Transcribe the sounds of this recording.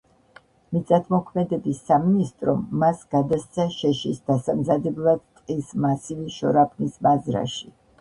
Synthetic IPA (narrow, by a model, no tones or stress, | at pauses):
mit̪sʼat̪ʰmɔkʰmɛd̪ɛbisːaminist̪ʼɾɔmːasɡ̥ad̪ast̪sʰaʃɛʃisd̪asamzad̪ɛblˠad̪̚t̪ʼqʼismasiviʃɔ̰ɾapʰnismazɾa̰ʃi